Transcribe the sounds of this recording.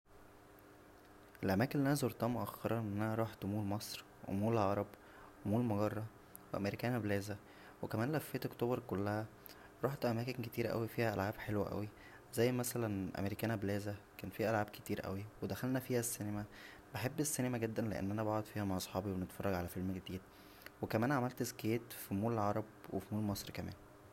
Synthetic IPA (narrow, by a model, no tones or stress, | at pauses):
ʔelʔæmæːkenlːʔænæzoɾt̪ˤɑmoʔæxːɑɾˤɑʔenːænæɾˤɑːħt̪muːlmɑsˤɾ | wḛmuːlʕɑɾˤɑb | wemuːlmoɡɑrˤːɑ | weʔæ̰meɾikæːnæblæːzæ | wekæmæːnlæfːeːt̪ʔokt̪oːbɑɾkolːæhæ | ɾˤɑːħt̪ʔæmæːkenket̪iːɾæʔæ̰wifiːhæʔælʕaːbħelwæʔæ̰wi | zæjːmæsælænʔæ̰meɾikæːnæblæːzækæːnfiːæʔælʕaːbke̥t̪iːɾʔæ̰wiwed̪æxælnæfiːhæsːenemæ | beħebːesːenemæɡed̪ːænleʔḛnːʔænæbɑʕod̪ˤfiːhæmaʕʔɑsˤħɑːbiwenet̪fɑrˤːɑɡʕalæfelmɡed̪iːd̪̚ | wekæmæːnʕamælt̪ezkeːt̪fimuːlʕɑɾˤɑb̚wefimuːlmɑsˤɾkæmæ̰ːn